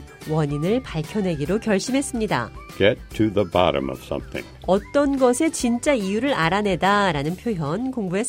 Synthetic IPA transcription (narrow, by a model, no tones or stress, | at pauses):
wʌɲinɯɭpaɭkʰjʌne̞ɡiɾokjʌɭɕ͈imɦe̞s͈ɯmɲida̰ɡ̥ɛtʰɨðəbɑ̰ɾɨ̰̃mʌ̰v̥sʌ̰̃mθɪ̰̃ŋʌt͈ʌnɡʌsʰe̞t͡ɕint͡ɕ͈aijuɾɯɾaɾane̞daɾanɯnpʰjojʌnkoŋbue̞